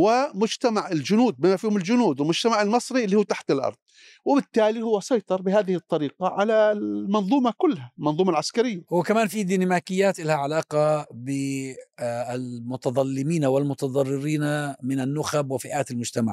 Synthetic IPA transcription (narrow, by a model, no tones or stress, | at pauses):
wɪmʊd͡ʒt̪amaʕɪld͡ʒʊnuːd̪̚bɪmafiːhʊmɪld͡ʒʊnuːd̪wɪlmʊd͡ʒ̥t̪amaʕɪlmɨsˤɾiɪlːihuːt̪aħt̪ɪlʔɑ̰ɾˤðˤ | wɪbɪt̪ːaːlihʊwːasˤɑjt̪ˤɑɾˤbɪɦaːðɪhɪt̪ˤːɑɾiːqaʕalamɑnðˤuːmɑkʊlːhalmɑnðˤuːmalʕaskaɾɪjːawɪkamaːnfid̪inamaːkɪjːaːt̪ʔɪlhaʕalaːqɑbɪ | ɪlmʊt̪ɑðˤɑlːɪmiːnawɪlmʊt̪ɑðˤɑrˤːɪɾiːnamɪnanːʊxabwɪfɪʔaːt̪ɪlmʊd͡ʒt̪amaʕ